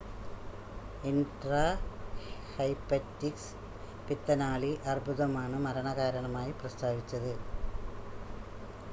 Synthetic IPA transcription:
inɖraː | hɐjpːɐtːiks | pit̪ːɐnaːɭiʔɐrbʱuðɐmaːɳɨmɐɾɐɳɐɣaːɾɐɳɐmaːjiprɐst̪ʰaːʋit͡ɕːɐðɨ

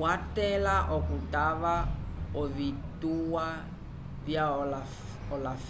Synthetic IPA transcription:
watɛlaʔɔkutʼaβaɔβituwa | bjaɔla | ɔlaf

